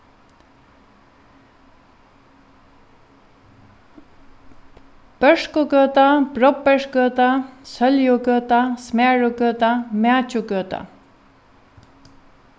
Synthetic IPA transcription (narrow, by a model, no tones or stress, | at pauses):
pəʂkokət̪apɾɔpːəʂkət̪asəljokət̪asmaːɻokət̪amaːt͡ɕukəːt̪a̰